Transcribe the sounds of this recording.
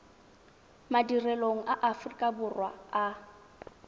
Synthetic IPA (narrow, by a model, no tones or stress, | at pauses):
madirɛloŋ̩aʔafrikʼabʊrwa̰a